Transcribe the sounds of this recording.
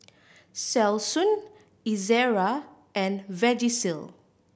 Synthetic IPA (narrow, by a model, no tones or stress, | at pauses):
sɛlsũn | izɛɹa | ʔɛ̃nvɛd͡ʒisil